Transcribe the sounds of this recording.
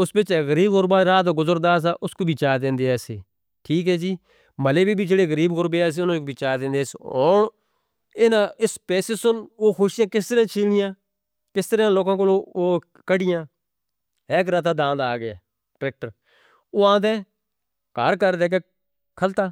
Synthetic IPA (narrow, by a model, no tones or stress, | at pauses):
ʊsbɪt͡ʃɛːɣəɾiːbɣʊɾbaːɾaːoːɡʊzəɾd̪aːs̬aːʔʊskoːbʱiːt͡ʃaːd̪ẽːnd̪eɛːseː | ʈʰiːkɦɛːd͡ʒiː | məleːbʱiːbʱiːd͡ʒeːɽeːɣəɾiːbɣʊɾbeːɛːs̬eʊnãːkobit͡ʃaːd̪ẽːnd̪eɛːsoːn | ɪnãːɪspɛːsesʊnoːxʊʃɪjãːkɪst̪əɾãːt͡ʃʰiːlnɪjãː | kɪst̪əɾãːloːkãːk̬oːlooː | kəɖɪjãː | eːk̬ɾaːt̪aːd̪ãːnd̪aːɡɪaː | kɾɛːk̚ʈəɾ | oːãːd̪ɛː | ka̰ːɾkəɾd̪eːk̬e | kʰəlt̪aː